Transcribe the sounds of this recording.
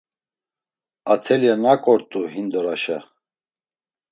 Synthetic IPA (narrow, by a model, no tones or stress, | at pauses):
at̪ʰɛljanakʼɔɾt̪ʼuɦind̪ɔɾaʃa̰